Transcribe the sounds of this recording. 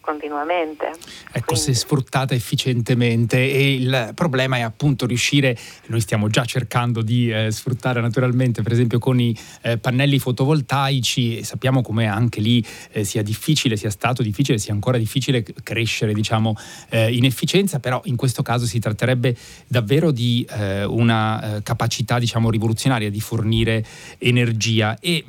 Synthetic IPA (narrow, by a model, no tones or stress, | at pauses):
kont̪inwament̪ḛɛkːosɛsfɾut̪ːaːt̪aefːit͡ʃent̪ement̪eːilpɾoblɛːmaɛapːunt̪oɾjuʃːiːɾenojst̪jaːmod͡ʒat͡ʃːerkand̪od̪isfɾut̪ːaːɾenat̪uɾalment̪epeɾezɛmpjokoni | panːɛlːifot̪ovolt̪ajt͡ʃisapːjaːmokomeaŋk̟elisiːad̪ifːiːt͡ʃilesiːast̪aːt̪od̪ifːiːt͡ʃilesiːaŋkoːɾad̪ifːiːt͡ʃilekɾeʃːeɾed̪it͡ʃaːmoinefːit͡ʃɛnt̪sapeɾɔʔiŋkwest̪okaːzosit̪ɾat̪ːeɾɛbːe | d̪avːeːɾod̪iunakapat͡ʃit̪ad̪it͡ʃaːmoɾivolut̪sjonaːɾjad̪iforniːɾeː | nerd͡ʒiːae